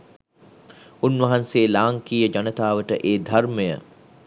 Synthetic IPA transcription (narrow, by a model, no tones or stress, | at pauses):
unʋɐɦanseːlaːŋkiːjəd͡ʒanət̪aːʋəʈəʔeːd̪ʱarməjə̰